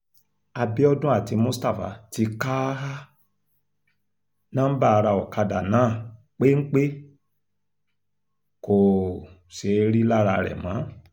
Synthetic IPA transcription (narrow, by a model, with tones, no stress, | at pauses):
a˧bi˦ɔ˦dũ˦a˦˨ti˧mũ˦sta˦˨fa̰˨ti˧ka˦ɦa˦ | nã˦m̩˦ba˦˧ɾa˧ɔ˨ka˧da˨nãː˨˦˨ | k͡pe˦ŋ̩˦k͡pe˦ | ko˨ | ʃe˨˦ɾi˦la˦ɾa˧ɾɛ̰˨mã˨˦